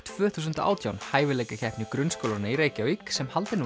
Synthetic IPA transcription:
t̪ʰvœːθuːs̬ʏnt̪aʔa̰ːwt̪ʰjawnhaːjvɪleːjkaçʰɛhpnɪkɾʏnskowlanaiɾeːjcɪawiksɛmhalt̪ɪn

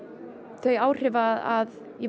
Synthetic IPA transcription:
θœɥjaːwr̥ɪːvaðað | jɛ

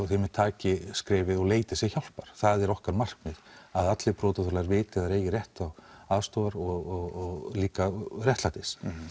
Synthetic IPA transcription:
θɪmɪt̪ʰaːcɪskɾɪːvɪðɔɣleːjt̪ɪsjɛçawl̥paɾ̥θaðɛɾɔhkaɾmar̥kmɪðaðat̪lɪpɾɔːt̪aθʏɾlaɾvɪːt̪ɪðaɾeːjɪɾjɛht̪awaðst̪oːwaɾɔɣɔɣɔɣliːkarjɛht̪lat̪ɪs

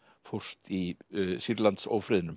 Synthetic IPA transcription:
fɔr̥st̪isiɾlant̪so̰ːwfɾɪːðɪnʏm

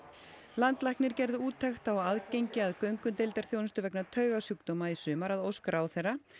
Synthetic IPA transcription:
lant̪lajhknɪɾcɛɾðʏuːt̪ʰːɛxt̪awaðcejɲcɪaðkœɥŋkʏnt̪ejlt̪ɛɾ̥θjownst̪ʏvɛknat̪ʰœɥɣasjukt̪ɔmaisʏːmaɾaðowskɾʔaːwθerːa

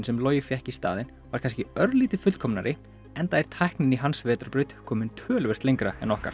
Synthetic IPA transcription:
nsɛmloːwjɪfjɛhcist̪a̰ːðɪn | vaɾkʰans̬cɪœɾliːt̪ɪfʏt̪kʰɔmnaɾɪ | ɛnt̪ajɾ̥t̪ʰajhknɪniɦansvɛːt̪ɾaɾpɾʏɥt̪kʰɔːmɪnt̪ʰvœːlvɪr̥t̪leŋkɾaɛ̰nɔhka̰ɾ̥

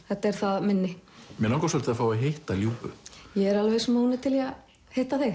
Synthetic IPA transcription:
θɛht̪aɛɾ̥θaðmɪnːɪmjɛnawŋkɔsœlt̪ɪafaːwaɦejht̪aljuːpʏ̰jɛɛɾalvesmoːwnɪt̪ʰɪla | hejht̪aθe

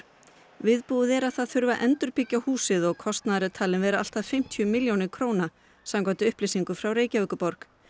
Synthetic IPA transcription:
vɪðpuðɛɾaðθaðθʏɾvaʔɛnt̪ʏɾpɪcːahuːsɪðɔɣkʰɔst̪naðɾɪt̪ʰaːlɪnvɛːɾaa̰l̥t̪aðfɪm̥t̪ʰiʏmɪljownɪkʰɾoːwna | samkɔt̪ɪʏhplejsiŋkʏfɾawreːjcavʏːkʏpɔɾk

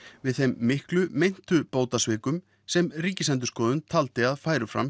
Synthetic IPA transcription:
vɪðθejmːɪhklʏmejn̥t̪ʏpoːwt̪asvɪːkʏm | sɛmriːcɪslɛnt̪̬ʏ̥ɾskɔːðʏnt̪ʰalt̪ɪaðfaːjɾʏfɾa̰m

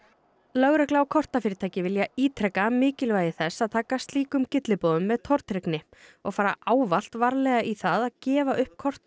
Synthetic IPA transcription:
lœɣɾɛklaːwkʰɔr̥t̪afɪːɾɪt̪ʰaːjcɪvɪljaiːt̪ʰɾɛkamɪːcɪlvajðɪθɛsːaðt̪ʰaːkast̪liːkʏmcɪt̪lɪpoːðʏmːɛðt̪ʰɔɾ̥t̪ɾɛknɪɔɣfaːɾa̰ʔaːwval̥t̪vaɾlɛɣaʔiθaðaðcɛːvaʔʏhp̚kʰɔr̥t̪

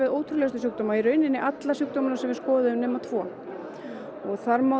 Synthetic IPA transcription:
ɪðoːwt̪ʰɾʏlɛst̪ʏsjʏk̚t̪omaiɾœɥnɪnːɪʔat̪lasjʏk̚t̪owmʏnasɛmvɪɾskɔːðʏðʏmnɛːmat̪ʰvɔː | ɔɣθaɾmaː

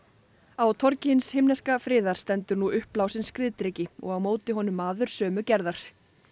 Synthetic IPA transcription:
awt̪ʰɔɾcɪnshejmnɛskafɾɪːðaɾ̥st̪ɛnt̪ʏɾnuʔʏhplawsɪnskɾɪːðt̪ɾecɪɔ̰ɣawmoːwt̪ɪɦɔnʏmːaːðʏɾ̥sœːmʏcɛɾðaɾ̥

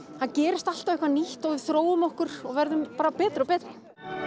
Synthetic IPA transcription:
hancɛːɾɪst̪al̥t̪avɛhkvaniht̪ɔɣɪ̥θɾoːwʏmɔhkʏɾ̥ɔɣvɛɾðʏmpaːɾapɛːt̪ɾɪɔpɛːt̪ɾɪ

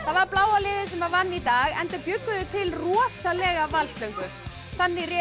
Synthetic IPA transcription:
θaðvaɾplaːwalɪːðɪsɛmaðvanːit̪aːɣɛnt̪apjʏkːʏðʏt̪ʰɪlrɔsalɛɣavalst̪lœɥŋkʏ | θanːirɛ

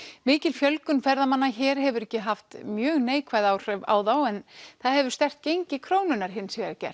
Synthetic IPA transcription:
mɪːcɪlfjœlkʏnfɛɾðamanːaçɛːɾ̥ɦɛvʏɾɛhcːɪɦaft̪mjœːɣneːjkʰvaːjðawr̥œva̰ːwðawɛnθaðhɛvʏɾ̥st̪ɛr̥t̪̚cejɲcɪkʰɾoːwnʏnaɾ̥ɦɪnsvɛacɛ̰r̥

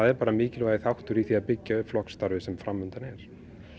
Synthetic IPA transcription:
aðɛɾpaːɾamɪːcɪlvajðɪθawht̪ʏɾiθiaðpɪcːaœflɔkst̪aɾvɪsɛmfɾamːʏnt̪anɛɾ̥

